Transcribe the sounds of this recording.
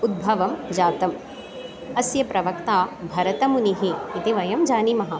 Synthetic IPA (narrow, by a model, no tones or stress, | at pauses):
ud̪̚bʱɐʋɐmd͡ʒaːt̪ɐm | ɐsjɐpɾɐʋɐkt̪aːbʱɐɾɐt̪ɐmuniɦiːt̪iʋɐjɐmd͡ʒaːnimɐɦɐ